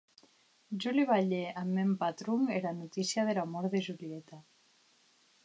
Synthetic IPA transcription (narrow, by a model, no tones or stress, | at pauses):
ʒuliβaʎeʔamːempat̪ɾuŋeɾanut̪isjaðelamɔɾðeʒuliet̪a